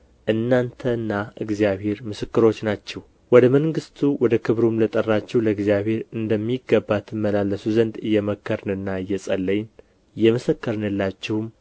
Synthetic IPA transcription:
ʔɨnːant̪ʰənːaɨɡzijaβhe̞ɾmɨsɨkːɨɾo̞t͡ʃːnat͡ʃːɛw | wɔd̪əməŋɡɨst̪ʰuwɔd̪əkʰɨβɾumlət̪ʼərːat͡ʃːɛwləɡzijaβhe̞ɾɨnd̪əmːiɡːəbːat̪mːəlalːəsuzənd̪ɨjːɛməkʰːəɾnɨnːaɨjːɛsʼəlːəɲn | jɛmɨsəkːəɾnɨlːat͡ʃːɪhm

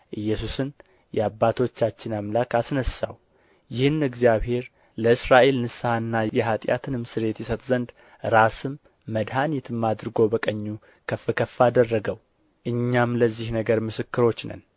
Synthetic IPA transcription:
ʔɨjːɛs̬usɨn | jɛabːat̪ʰo̞t͡ʃːat͡ʃːɪnamlakasnəsa̰w | jɪhɨnɨɡzijaβhe̞ɾ | ləɨsɾaʔe̞lnɨsahɨnːajɛɦat̪ʼja̰t̪ʰɨnɨmsɨɾe̞t̪jɛsət̪zənd̪ | ɾasɨmː | əd̪hanit̪ʰɨmːad̪ɾɨɡo̞bəkʼəɲːu | kʰəfːɨkʰəfːad̪ərːəɡəw | ʔɨɲːamləzːihnəɡəɾmɨsɨkːɨɾo̞t͡ʃːnə̰n

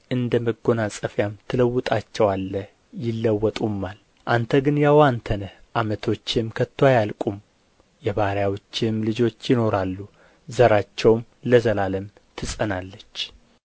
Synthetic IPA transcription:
ʔɨnd̪əməɡːo̞nasʼəfjamt̪ʰɨləwːʊt̪ʼat͡ʃːɛwalːə | jɪlːəwːɔt̪ʼumːal | ʔant̪ʰəɡɨnjawant̪ʰənəʔamət̪ʰo̞t͡ʃːɪmkʰət̪ʰːwajalkʼum | jɛβaɾjawot͡ʃːɪmlɨd͡ʒo̞t͡ʃːjɪno̞ɾalːu | zəɾat͡ʃːɛwm | ləzəlaləm | t̪ʰɨsʼənalːət͡ʃː

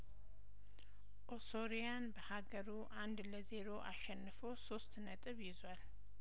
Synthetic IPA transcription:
ʔosoɾijanbəhaɡəɾuʔand̪ləze̞ɾo̞ʔaʃɛnːɨfo̞so̞st̪nət̪ʼɨβjɪzwal

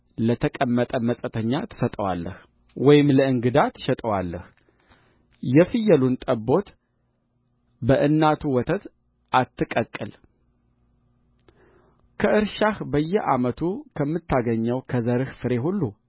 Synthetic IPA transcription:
lət̪ʰəkʼəmːət̪ʼəmːəsʼət̪ʰəɲːat̪ʰɨ̥sət̪ʼəwa̰lːəh | wɔjɪmləɨŋɡɨd̪at̪ʰːɨ̥ʃɛt̪ʼəwalːəh | jɛfɨjːəlunt̪ʼəbːo̞t̪ | bəʔɨnːat̪ʰuwɔt̪ʰət̪ | ʔat̪ʰːɨkʼəkʼːɨl | kʰəʔɨɾʃahbəjːɛʔa̰mət̪ʰukʰəmːɨt̪ʰːaɡəɲːəwkʰəzəɾɨhfɨɾe̞ɦulːu

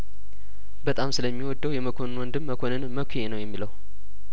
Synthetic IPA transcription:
bət̪ʼamsɨləmːiwɔd̪ːəwjɛməkʰo̞nnwɔnd̪ɨmːəkʰo̞nɨnməkʷʰjenəwjɛmːiləw

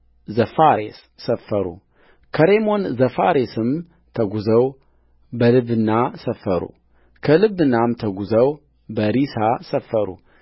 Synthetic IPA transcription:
zəfaɾesːəfːəɾṵ | kʰəɾemo̞nzəfaɾesɨm | t̪ʰəɡuzəw | bəlɨβɨnːasəfːəɾṵ | kʰəlɨβɨnːamt̪ʰəɡuzəw | bəɾisasəfːəɾṵ

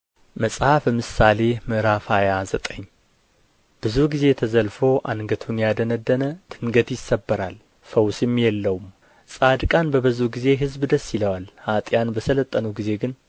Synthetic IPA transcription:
məsʼhafəmɨsale̞mɨɾafajazət̪ʼəɲː | b̥ɨzuɡize̞t̪ʰəzəlfo̞ʔanɡət̪ʰunjad̪ənəd̪ːənət̪ʰɨŋɡət̪jɪsːəbːəɾal | fəwsɪmjɛlːəwum | sʼad̪kʼanbəbɨzuhɡize̞ɦɨzbd̪əsːɪləwalhat̪ʼjanbəsələt̪ʼːənuɡize̞ɡɨn

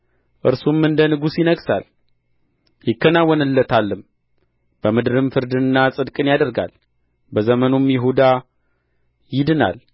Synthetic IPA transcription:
ʔɨɾsumɨnd̪ənɨɡusjɪnəɡsa̰l | jɪkːənawɔnɨlːət̪ʰalːɨm | b̥əmɨd̪ɨɾɨmfɨɾd̪ɨɨnːasʼɨd̪kʼɨnjad̪əɾɡa̰l | bəzəmənomjɪɦud̪a | jɪd̪ɨna̰l

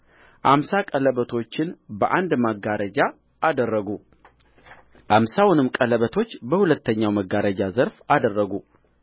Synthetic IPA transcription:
ʔamsakʼələβət̪ʰo̞t͡ʃːɪnbəʔand̪maɡaɾəd͡ʒa | ʔːd̪ərːəɡu | ʔamsawʊnɨmkʼələβət̪ʰo̞t͡ʃːbəhulət̪ːəɲːawməɡaɾəd͡ʒazəɾfad̪ərːəɡu

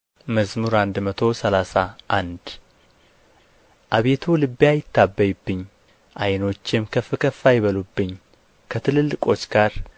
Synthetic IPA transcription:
məzmuɾand̪mət̪ʰo̞səlasaʔand̪ | ʔaβe̞t̪ʰulɨbːjajɪt̪ʰːabːəjubːɨɲː | ʔajno̞t͡ʃːɪmkʰəfɨkʰəfːajɪβəlubːɨɲː | kʰət̪ʰɨlɨlːɨkʼo̞t͡ʃːɡ̥aɾ

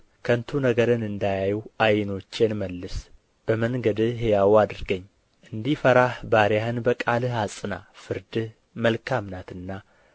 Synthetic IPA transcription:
kʰənt̪ʰunəɡəɾɨnɨnd̪ajajuʔajno̞t͡ʃːenməlːɨs | b̥əməŋɡəd̪ɨɦejawad̪ɨɾɡəɲː | ʔɨnd̪ifəɾahbaɾjahɨnbəkʼalɨhasʼɨnafɨɾd̪ɨ | məlkʰamnat̪ɨnːa

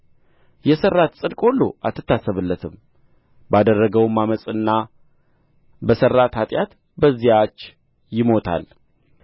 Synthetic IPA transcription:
jɛsərːat̪sʼɨd̪kʼolːo̰ʔat̪ːɨt̪ːasːəβɨlːət̪ʰɨm | bad̪ərːəɡəwmaməsʼɨnːa | bəsərːat̪hat̪ʼjat̪ | bəzːijat͡ʃː | jɪmo̞t̪ʰa̰l

